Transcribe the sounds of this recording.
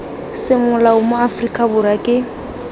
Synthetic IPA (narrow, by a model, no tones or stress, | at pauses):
sɪmʊlaʊmʊafrikʼabʊɾakʼɪ